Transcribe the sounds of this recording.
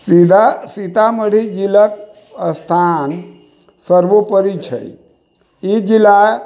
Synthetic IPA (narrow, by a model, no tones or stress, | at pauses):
sid̪asit̪aməɽ̤id͡ʒilək̚ | əst̪ʰan | səɾbopəɾit͡ʃʰə̰j | id͡ʒila